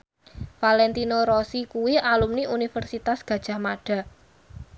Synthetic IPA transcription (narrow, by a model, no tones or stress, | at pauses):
falɛnt̪inoɾosikuwialumniunifərsit̪asɡ̥ä̤d̥ʒ̥a̤hmaɖ̥a̤